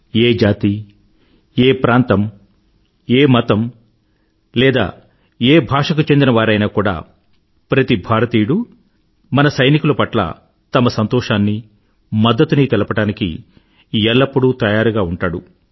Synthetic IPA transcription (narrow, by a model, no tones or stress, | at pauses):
eːd͡ʒaːt̪i | eːpɾaːnt̪ɐm | eːmɐt̪ɐm | lɛːd̪a̰ː | eːbʱaːʂɐk̬ut͡ʃe̞nd̪inɐʋaːɾɐjnaːkuːɽa̰ː | pɾɐt̪ibʱaːɾɐt̪iːɽu | mɐnɐsɐjnikulɐpɐʈlɐ̰ | t̪ɐmɐsɐnt̪ɔːʂaːnːi | mɐd̪ːɐt̪uniːt̪ɛlɐpɐʈaːnikḭ | jɛlːɐpːuɽut̪ɐjaːɾuɡaːuɳʈaːɽu